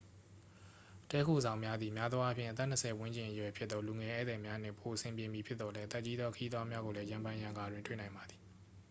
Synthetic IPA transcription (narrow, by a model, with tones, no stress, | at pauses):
tɛ˦kʰo̰˦˨zã˨ʊ̃mja˦d̪ði˨mja˦d̪wa˦pʰjɪ̃˦˨ʔət̪̬ɛ˦˨n̥ə˨sʰɛ˨wɪ̃˦ɲt͡ɕɪ̃˨ʔəjwɛ˨pʰjɪ˦t̪t̪ːɔ˦lu˨ŋɛ˨ʔɛ̰˦˨zɛ˨mja˦n̥ɪ̰̃˦˨mpʰo˨ʔəsʰɪ̃˨mpjɪ̃˨mji˨pʰjɪ˦t̪ːɔ˨lɛ˦ʔət̪ɛ˦ʔt͡ɕːi˦d̪ðwɔ˦kʰə˦ji˦d̪wa˦mja˦ɣo˨lɛ˦jã˨mbã˦jã˨ŋɡa˨dwɪ̃˨ntwḛ˦˨nã˨ɪ̃mba˨d̪i̥˨